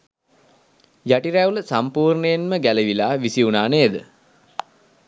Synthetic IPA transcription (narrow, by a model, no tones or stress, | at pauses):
jaʈiɾæuləsampuːrnəjenməɡæləʋilaːʋisiunaːnəed̪ə